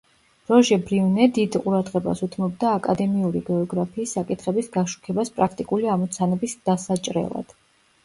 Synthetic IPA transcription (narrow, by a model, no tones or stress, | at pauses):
ɾɔʒɛbɾiunɛd̪id̪qʼuɾad̪ʁɛba̰sut̪ʰmɔbd̪aːkʼad̪ɛmiuɾiɡɛɔɡɾapʰiːsːakʼit̪ʰχɛbisɡaʃu̥kʰɛbaspʼɾakʰt̪ʼikʼuliamɔt̪sʰanɛbisd̪̥asat͡ʃʼɾɛ̰lˠa̰d̪̥